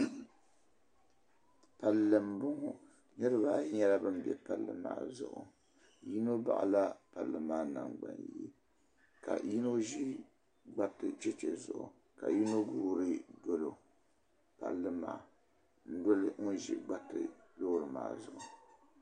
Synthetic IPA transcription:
pa˨lːɨ˨mbʊ˦ŋo˨ | nɨ˦ɾɨ˦ba˦ɲɛ˦la˦bɨ˦m˦bɛ˨pa˦lːɨ̰˦ma̰ː˨zʊ̰˨ʔʊ̰˨ | ji˦no˦ba̰˨ʔa̰˨la˦pa˨lːɨ˨maː˦˨na˨ŋɡ͡ba̰˨njɛ˦ | ka̰˨ji˦no˦ʒi˦ | ɡ͡ba˦tɨ˨t͡ʃɛ˦t͡ʃɛ˨zʊ̰˨ʔʊ̰˨ | ka̰˨ji˦no˦ɡuː˦ɾɨ˦do˦lo˨ | pa˨lːɨ˦maː˨ | n̩˦do˦lɨ˦ŋʊ˦n˦ʒḭ˦ɡ͡ba˦tɨ˨loː˦ɾɨ˨ma̰ː˨zʊ˨ʔʊ˨

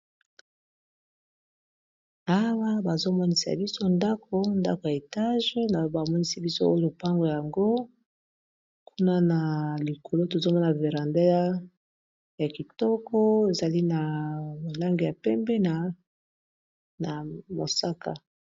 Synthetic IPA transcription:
a˦wa˦ba˨zo˦mɔ˦ni˦sa̰˨bi˦so˦nda˦ko˦nda̰˦ko˨ja˨e˨ta˦ʒna˨˦ba˨mɔ˦ni˦si˦bi˦so˦o˦jo˦o˨pa˦ŋɡo˨ja˨ja˨ŋɡo˦ | kʰu˦na˦na˨li˨kʰo˨lo˦to˨zo˦mɔ˦n˨ve˨ʁa˨nda˦a˦ | ja˨ki˨tɔ˦kʰɔ˦e˨za˨li˦na˨bo˨la˦ŋɡi˨ja˨pɛ˦mbɛ˦na˨ | na˨mo̰˨sa˦ka̰˨

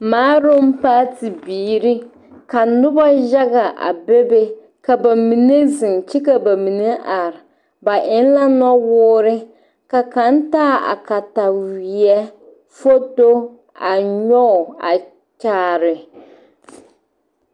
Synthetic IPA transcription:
maː˨˦ɾʊ˦m˦paː˦ti˨biː˨˦ɾi˦ | ka˨nʊ˦ba˦ʒa˦ɣa˨ʔa̰˨be˦be˦ | ka˨ba˨mi˨ne˦zɪ˨ŋt͡ʃi˦ka˨ba˨mi˨ne˦ʔa˨ɾɪ˨ | ba˨ʔɪ˦n˦la˦nɔ˦wʊː˦ɾɪ˦ | ka˨ka˦n˦taː˦˨a̰˨ka˨ta˨wi˨ɛ˦ | fo˦to˦ | a˨ɲɔ˦˨a̰˨ | t͡ʃaː˨ɾɪ˨

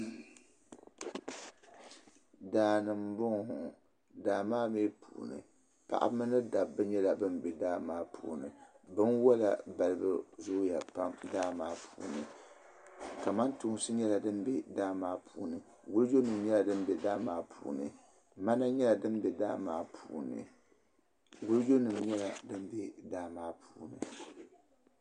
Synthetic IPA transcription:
daː˨nɨ˨mbʊ˦ŋhʊ˨ | daː˨maː˦meː˦pʰṵː˨nɨ̰˨ | pa̰˨ʔa̰˦mɨ˦nɨ˦da˨bːɨ˦ɲɛ˦la˨bɨ˦m˦bɛ˨daː˦maː˦pʰṵː˨nɨ̰˨ | bɨ˦nwɔ˦la˨ba˨lɨ˦bɨ˦zʊ˦ja˨pa˦mdaː˦maː˦pʰuː˨nɨ˨ | ka˨ma˦ntu˦ŋ˦sɨ˦ɲɛ˦la˨dɨ˦m˦bɛ˦daː˦maː˦pʰu˦nɨ˨ | ɡʊ˦ld͡ʒo˦nɨ˨m˨ɲɛ˦la˨dɨ˦m˦bɛ˨daː˦maː˦pʰṵː˨˦nɨ̰˨ | ma˦na˦ɲɛ˦la˨dɨ˦m˦bɛ˨daː˦maː˦pʰuː˨nɨ̰˨ | ɡʊ˦ld͡ʒo˦nɨ˨mɲɛ˦la˨dɨ˦m˦bɛ˦daː˦maː˦pʰuː˨˦nɨ˨

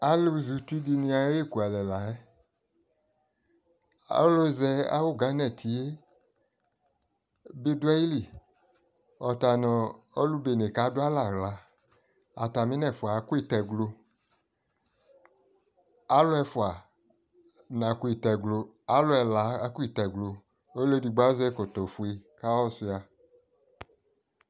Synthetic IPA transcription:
a˦lu˦zu˨ti˦di˧nĩ˧a˨˦e˦˨ku˨a˨lɛ˨la˨ɛ˦ | a̰˦lo˦zɛ˧a̰˦wo˦˨ɡa˨˦nɛ˨tʰi˨e˦ | be˦du˦ɛ˦ji˦li˦˨ | ɔ˨ta˨nɔ˨o˦lu˦be˨ne˨ka˨˦dʊ˦a˦la˨ɣla˨ | a˨ta˨mĩ˦nɛ˨fu˨a˨˦ku˦i˦˨tɛ˨ɡlo˧ | a˨˦lʊ˦ɛ˧fu˨a˨ | nã˨ku˨˦i˨tɛ˨ɡlo˧ | a˨˦lɔ˦ɛ˧la˨˦a˦ku˦i˦˨tɛ˨ɡlo˧ | o˦le˦di˧ɡ͡ba˦zɛ˦ko˨tɔ˨fu˨e˧ka˦wɔ˦su˧a˨

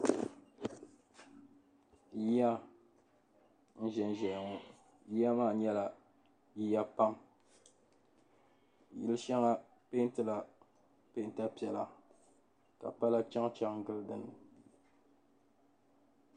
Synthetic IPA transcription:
ji˦ja˦ | n̩˦ʒɛ˨n˨ʒɛ˨jŋɔ˦ | ji˦ja˦maː˦˨ɲɛ˦la˨ | ji˦ja˦pa˦m˨ | jḭ˦lɨ˦ʃa˦ŋa˦ | pe˦n˦tɨ˦la˨ | pe˦˨˦n˦ta˦pi˨ɛ˨la˨ | ka̰˨pa˦la˦t͡ʃa˦ŋt͡ʃa˦ŋ˦ɡɨ˦lɨ˦dɨ˦nːɨ˨

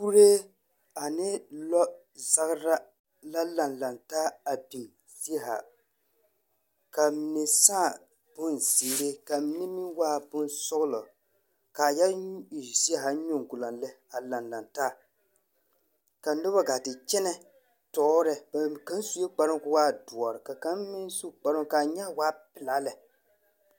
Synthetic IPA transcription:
ku˦ɾeː˦ | a˨nɪ˦lɔ˦ | za˦ɣɾa˦ | la˦la˨nla˨ntaː˦a˨be˨ | zi˦ɦa̰˨ | ka˨mi˨nɪ˦saː˦˨ | b̥ʊ˦nsiː˨ɾe˦ka˨mi˦nɪ˦mi˦waː˦bʊ˦nsʊ˦ɣlɔ˨ | ka˨ja˦˨si˦a˦ɦa˨˦ɲo˦ŋ˨ɡʊ˨la˨nlɛ˦ | a˨la˨nla˨ntaː˦ | ka˨˦nʊ˦ba˦ɡa˨tɪ˨t͡ʃɛ˦nɛ˦ | tɔː˦ɾɛ˨bka˦n˦su˦e˦k͡pa˨ɾɪ˦kʊ˦waː˦du˨ɔ˨ɾɪ˨ka˨ka˦nmi˦nsu˦k͡pa˨ɾɪ˦ka˨ɲa˦waː˦pɪ˨la˦lɛ˨

